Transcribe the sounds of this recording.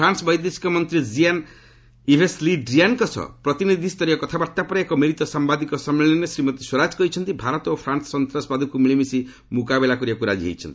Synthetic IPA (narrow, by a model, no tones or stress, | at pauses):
ɾansɔbɔjd̪esi̥kɔmɔnt̪ɾid͡ʒian | ibʱesliɖɾiankɔsʰɔ̰pɾɔt̪inid̪ʱist̪ɔɾiɔkɔt̪ʰabaɾt̪apɔɾekɔmiɾit̪ɔsambad̪ikɔsɔmeɭenesɾimɔt̪iswɔɾad͡ʒkɔɦit͡ʃʰɔnt̪ibʱaɾɔt̪opʰɾansɔ̥sɔnt̪ɾasbad̪ʱukumiɭimisi | mukabelakuɾiakuɾa̰d͡ʒḭɦḛjt͡ʃʰɔ̰nt̪i